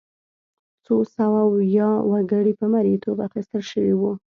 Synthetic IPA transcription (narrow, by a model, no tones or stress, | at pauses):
t͡sosawawjɑwaɡəɽipəmaɾit̪ʰobaxist̪əlʃəwiwu